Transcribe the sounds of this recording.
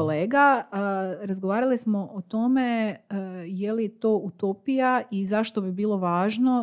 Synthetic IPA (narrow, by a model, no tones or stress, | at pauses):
oleːɡa | ɾazɡoʋaːɾalismo̞ʔot̪o̞me | jelijet̪o̞ːut̪opijaizaʃt̪o̞bibiːlˠo̞ʋaːʒno